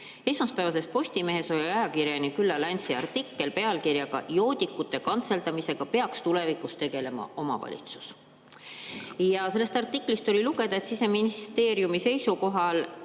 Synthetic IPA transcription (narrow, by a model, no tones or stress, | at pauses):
e̞smɑspæevɑse̞s̚po̞sʲt̪ime̞ɦe̞so̞lʲiɑjɑkiɾjɑnikylːɑlɑnʲsiɑ̰rt̪ikːˑe̞lpe̞ɑlkirjɑɡ̥ɑ̰jo̞ːd̪̥ʲikːˑut̪ˑːe̞kɑnt̪se̞lt̪ɑmise̞ɡ̥ɑpe̞ɑkst̪ule̞vikust̪e̞ɡ̥e̞le̞mɑ̰o̞mɑ̰vɑ̰lʲḭt̪su̥s | jɑse̞lːe̞st̪ɑrt̪ːˑikːˑlist̪o̞lʲiluɡ̥e̞d̪̥ɑe̞t̪sise̞minist̪e̞ːɾjumise̞jsuko̞ɦɑl